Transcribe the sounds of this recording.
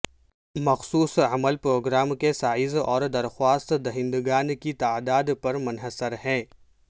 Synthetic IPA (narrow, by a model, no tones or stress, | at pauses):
mɐxsuːsəməlpɾoːɡɾaːmkesaːɪzɔːɾd̪ɐɾxwaːst̪d̪ɐɦɪ̃nd̪ɡaːnkit̪aːd̪aːd̪pɐɾmʊnɦəsəɾɦɛ̃ː